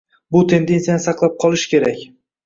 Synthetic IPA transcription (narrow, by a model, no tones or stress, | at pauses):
bʊt̪ʰe̞nd̪e̞nsijanɨsɑqlˠap̚qʰɒlˠɪʃkʲʰe̞ɾakʲ